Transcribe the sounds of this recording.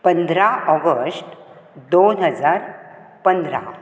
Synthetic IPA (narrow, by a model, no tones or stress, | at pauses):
pənd̪ɾaɔɡəsʈ | d̪onɦəd͡zaɾ | pənd̪ɾa̰